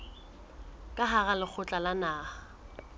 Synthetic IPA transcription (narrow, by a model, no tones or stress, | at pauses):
kʼaɦaɣalɪk͡xʰʊt͡ɬʼalanaːha